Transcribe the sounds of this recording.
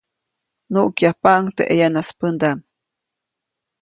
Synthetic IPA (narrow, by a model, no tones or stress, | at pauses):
nuʔkjapaʔŋt̪eʔejanaspənd̪am